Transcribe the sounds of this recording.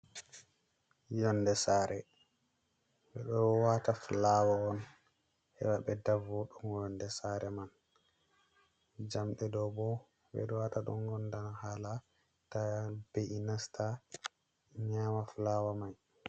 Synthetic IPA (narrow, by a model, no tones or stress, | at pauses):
jɔndɛsaːɾʔɛ | ɓɛɗɔwataflawaɔn | hɛ̰waɓɛdavɔɗɔnjɔndɛsaɾɛman | d͡ʒamɗɛdɔbɔ | ɓɛ̰ɗɔwataɗɔ̰ŋɡɔndanhaːla | tab̥eʔinasta | ɲaːmaflawamaj